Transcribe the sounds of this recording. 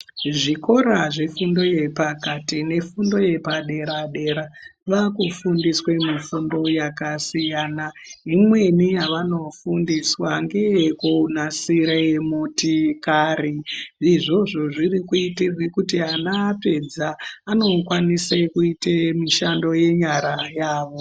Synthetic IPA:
ʐiko̞ɾaʐe̞fundo̞je̞pakatine̞fundo̞je̞paɗe̞ɾaɗe̞ɾaʋakufundiswe̞mifundo̞jakasijaːnaimwe̞nijaʋano̞fundiswaŋɡe̞jkunasiɾeemutikaɾiːʐo̞ʐo̞ʐirikuitirwikutianaːpe̞d͡zaːno̞kwanisekuitemiʃando̞je̞ɲaɾajaːʋo̞

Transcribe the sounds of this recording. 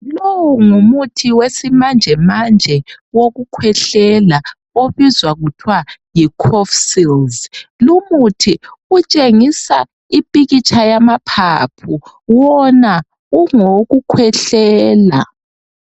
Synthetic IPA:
lowuŋumutʰiwesimand͡ʒʱɛmand͡ʒʱɛ | woɣukʰwɛɬɛla | oβizwaɣutʰwajikʰɔfsilzlumutʰiut͡ʃʼeŋisa | ipʼiɣit͡ʃʼʰajamapʰapʰuwɔna | uŋoɣukʰwɛɬɛːla

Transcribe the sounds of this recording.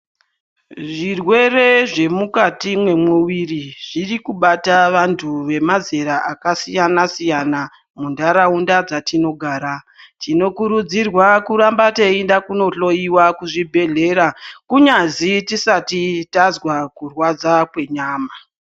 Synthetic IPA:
ʐirwe̞re̞ʐe̞mukatimwe̞mwuwiriʐ̥irikuɓataʋantʰuʋe̞maze̞ɾaʔakasijanasijana | mundaɾaundad͡zatino̞ɡʱaːɾa | tino̞kuɾud͡zirwakuɾambateindakuno̞ɬo̞iwakuʐibʱe̞ɮe̞ɾakuɲazitisatitazwakurwad͡zakwe̞ɲaːma

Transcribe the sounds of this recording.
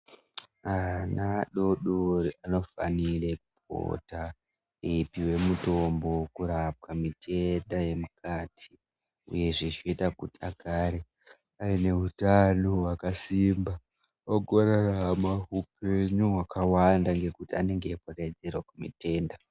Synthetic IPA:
anaɗo̞ɗoriano̞fa̰nirekup̚ʰo̰ta | ipiwe̞muto̞mbo̞kuɾap̚kamitʰe̞ndaje̞mukatʰi̥ | ṵje̞ʐit͡ʃoitakutiaɡʱaɾe | aine̞utanowakasimba | oɡʱoɾaramaupeɲuɦwakʰawandaŋɡe̞kutiane̞ŋɡepored͡zerwakumḭte̞ːnda

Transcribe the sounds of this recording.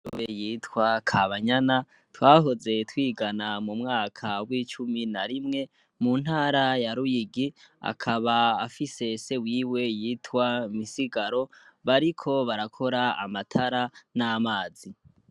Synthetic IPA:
uβejiːtʰwakʰaβaɲana | twaːɦo̞ze̞twiːɡanamumŋaːkʰawiːt͡ʃuminaɾimŋe̞ | mun̥haːɾajaɾujiɡia̰kʰaβaːfise̞se̞wiːwe̞jiːtwamisiɡaɾo̞βaɾikʰo̞βaɾakʰo̞ɾaa̰matʰaɾanamaːzi

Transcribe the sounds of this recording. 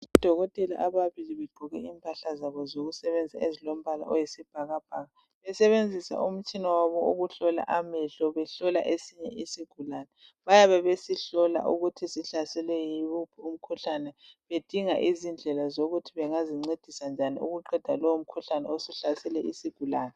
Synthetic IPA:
id̥ʱɔɣɔtʼɛlaʔaβaβiliβeɡ͡ǃʱuɣɛ̰iːmpʼaɬazaβɔzoɣusɛβɛnd͡zʱaezilom̩βala̰ʔɔjisib̥ʱaɣab̥ʱaɣa | βɛsɛβend͡zʱisa̰ʔum̩t͡ʃʼinɔwaβɔṵɣuɬɔla̰ʔamɛɬɔβɛɬɔla̰ʔesiɲɛʔisiɡ̥ʱulanɛ | βajaβɛβesiɬɔla̰ʔuɣutʰisiɬasɛlɛjiupʰum̩kʰuɬanɛβed̥ʱiŋa̰ʔizind͡ɮʱɛlazoɣutʰiβɛŋaziŋ͡ǀed̥ʱisand͡ʒʱaniṵɣuǃɛd̥ʱalɔwom̩kʰuɬanɛosiɬasɛlɛʔisiɡ̥ʱulaːnɛ

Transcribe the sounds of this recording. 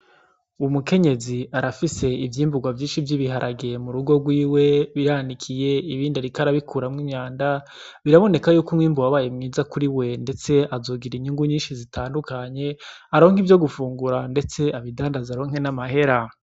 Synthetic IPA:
umuke̞ɲe̞ziaɾafise̞ivjiːmbuɡwavjiːnʃivjiβiɦaɾʔaɡemuɾuɡo̞ɡwiːwe̞βiɾanikʰije̞iβiːndaɾikaɾaβikuːɾamŋiɲaːnda | βiɾaβo̞ne̞kajuːkumŋiːmbuwaβajemŋiːzakuɾiwe̞nde̞t͡se̞azoːɡiɾiɲuŋɡuɲiːnʃizitʰaːndukaɲe̞ | aɾo̞ːŋ̥hivjo̞ɡufuːŋɡuɾande̞t͡se̞aβidaːndazaɾo̞ːŋ̥he̞namahe̞ɾa

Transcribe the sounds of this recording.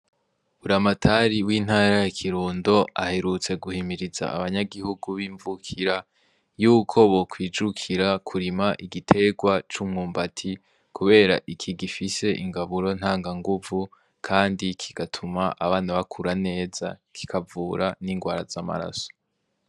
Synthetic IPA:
uɾamatʰaɾiwiːn̥haːɾajakʰiɾuːndo̞a̰he̞ɾut͡se̞ɡuhimiɾiza̰ʔaβaɲaɡihuɡuβiːɱvukʰiɾa | juːkʰo̞βo̞kwiːd͡ʒukʰiɾakʰuɾimaʔiɡitʰe̞ɡwat͡ʃumŋuːmbatʰi | kʰuβe̞ːɾaʔikʰiɡifise̞ʔḭŋɡaβuɾo̞n̥haːŋɡaŋɡuvu | kʰaːndikʰiɡ̥atʰumaʔaβaːnaβakʰuɾane̞ːza̰kʰi̥kʰavuːɾaniŋɡwaːɾazama̰ɾa̰so̥

